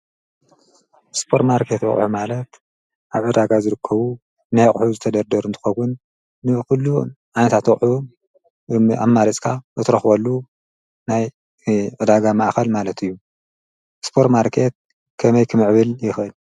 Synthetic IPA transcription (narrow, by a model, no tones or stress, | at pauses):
spʰoɾt̪maɾkʰe̞t̪wɔ̰χʼħumalɐt̪ | ʔaβʕɨd̪aɡazɨɾɨkʰːɐβu | najχʼħuzɨt̪ʰɐd̪ɐɾd̪ɐɾuɨnt̪ʰɨ̥xɐwʊnː | ɨxulːu | ʕanɐt̪ʰat̪wɐχʼħu | a̰mːaɾit͡sʼkʰaʔɨt̪ʰɾɐxbɐlːu | naj | ʕɨd̪aɡamaʔxɐlmalɐt̪ʰɨjːu | spʰo̞ɾt̪maɾkʰe̞t̪̚ | kʰɐmɐjkʰɨmɨʕβɨljɪxʔɨl